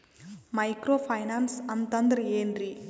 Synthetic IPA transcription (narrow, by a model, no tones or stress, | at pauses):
mɐjkɾoːpʰɐjnaːnsɐnt̪ɐnd̪ɐɾeːnɾi